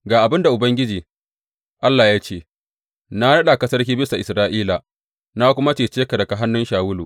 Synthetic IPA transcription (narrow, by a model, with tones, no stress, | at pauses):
ɡaː˨ʔa˨bɪ˦nda˨ʔʊ˨bɐ˦ŋɡʲɪ˦d͡ʒiː˨ | ʔa˦lːaː˨jaː˦t͡ʃeː˦˨ | na˦ɽɐ˦ɗa˨kɐ˦sɐ˦rkʲiː˦bɪ˦sa˨ʔɪ˨sɾaː˦ʔiː˦la˨ | na˦kʷʊ˦ma˦t͡ʃeː˨t͡ʃeː˦ka˨dɐ˨ka˨ɦa˦nːʊ˦nʃaː˨wʊ˦luː˨